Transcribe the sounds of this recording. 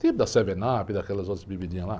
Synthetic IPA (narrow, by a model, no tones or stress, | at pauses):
t̪ipʊd̪ɐsevenapid̪ɐkɛlɐzot̪ɾɐzbibid͡ʒĩɲɐ̃la